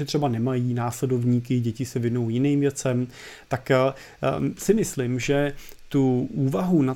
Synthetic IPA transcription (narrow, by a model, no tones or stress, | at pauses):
ɛt̪r̥ɛbanɛmajiːnaːslɛdo̞vɲiːk̬ɪɟɛcɪsɛvɪno̞wjɪniːmvjɛt͡sɛm | t̪ak | sɪmɪslɪmʒɛt̪uʔuːvaɦuna